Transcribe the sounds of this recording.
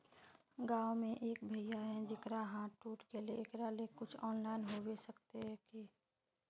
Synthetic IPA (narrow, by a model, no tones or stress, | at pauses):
ɡaːomẽʔeːkbʱəjaɦɛ̃d͡ʒɪkɾaɦãʈuːʈkeleɪkɾalekʊt͡ʃʰɔːnlaːɪnɦobesəkt̪eɦɛ̃ki